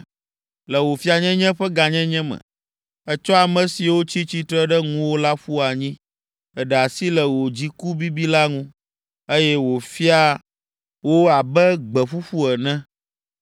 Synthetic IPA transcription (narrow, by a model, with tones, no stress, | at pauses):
lɛ˨wo˨fi˦a˨ɲɛ̃˦ɲɛ̃˦ɸɛ˦ɡa˨ɲɛ̃˦ɲɛ̃˦mɛ̰̃˨ | ɛ˦t͡ʃɔ˦a˨mɛ̃˨si˨wo˦t͡ɕi˦t͡ɕi˦t̪ɾɛ˦ɖɛ˦ŋũ˦wo˦la˦ɸu˦a˨ɲĩ˦ | ɛ˨ɖɛ˨a˨si˦lɛ˨wo˨d͡ʑi˦ku˦bi˦bi˦la˦ŋũ˦ | e˦jɛ˦wo˨fi˦a˦ | wo˦a˨bɛ˦ɡ͡bɛ˨ɸu˦ɸu˦ɛ˨nɛ̃˦